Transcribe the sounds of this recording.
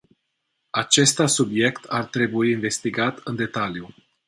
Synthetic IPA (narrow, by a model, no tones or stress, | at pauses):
at͡ʃe̞st̪asubje̞kt̪ʰart̪ɾe̞buiːnve̞st̪iɡat̪ɨnd̪e̞t̪alju